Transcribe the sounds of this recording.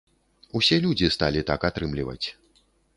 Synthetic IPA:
usʲɛlʲud͡zʲist̪alʲit̪akat̪ɾɨmlʲivɐ̰t͡sʲ

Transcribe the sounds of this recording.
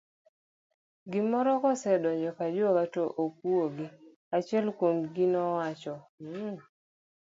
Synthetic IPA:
ɡɪmɔɾɔkɔsɛdɔɲd͡ʒɔkad͡ʒokatoʔok̚uoɡɪ | at͡ʃɛlkwomɡinɔwat͡ʃɔ

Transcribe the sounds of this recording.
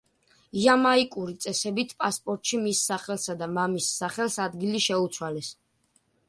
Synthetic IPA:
iamaikʼuɾit̪sʼɛsɛbit̪ʰpʼaspʼɔɾt̪ʼʃimisːaχɛlˠsad̪amamisːaχɛlsad̪ɡiliʃɛut̪sʰwalɛs

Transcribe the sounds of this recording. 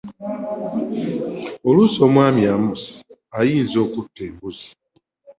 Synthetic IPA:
olusomwamjamusi̥ | ajiːnzokutembuzi̥

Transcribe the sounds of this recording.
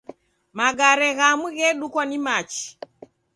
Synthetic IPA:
maɡaɾɛɣamuɣɛɗukwanimat͡ʃi̥

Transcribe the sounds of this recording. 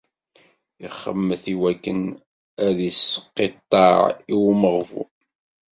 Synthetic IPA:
iχːə̰mːəθiwækːən | æðisːə̥qːet̪ˤːɑʕiwməʁvṵ

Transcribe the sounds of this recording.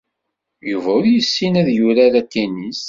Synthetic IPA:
juvæʊɾjəsːinæðjuɾaɾækːænis

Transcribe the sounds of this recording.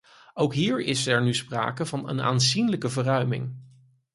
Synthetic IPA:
owkɦiːɹɪsɛɹnyspra̰ːkəvɑnə̰na̰ːnzinləkəvərœɥmɪ̰ŋ

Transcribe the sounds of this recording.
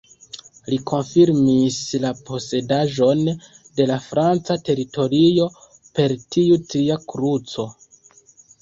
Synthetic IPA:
likʰo̞nfiɾmislapo̞se̞daʒo̞n | de̞lafɾant͡sate̞ɾito̞ɾio̞ | pe̞ɾtiutɾiakɾut͡so̞

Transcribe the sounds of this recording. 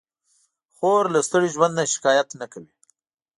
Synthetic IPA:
xoɾlast̪əɽiʒwand̪naʃɪ̥kɑːjat̪nakawi

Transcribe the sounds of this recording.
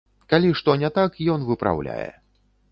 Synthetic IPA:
kalʲiʂt̪ɔnʲɛt̪akjɔnvɨpɾa̰wlʲa̰jɛ̰

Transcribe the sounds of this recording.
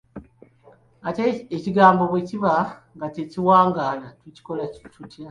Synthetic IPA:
ateeciɡaːmbo̞βweciβaŋɡateciwaːŋɡaːlatwuci̥ko̞latutja

